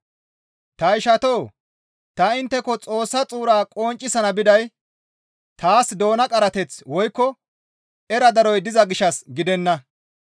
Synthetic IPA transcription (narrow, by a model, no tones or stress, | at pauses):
t̪ɐɪʃɐt̪oː | t̪ɐɪnt̪ːɛkɔt͡sʼo̞ːsːɐt͡sʼuːɾaːkʼoːnt͡ʃʼːɪsɐnɐbɪd̪ɐj | t̪aːsd̪o̞ːnɐkʼɐɾɐt̪ɛt͡swɔjkːɔ | ɛɾɐd̪ɐɾɔjd̪ɪzɐɡɪʃɐsɡɪd̪ɛnːɐ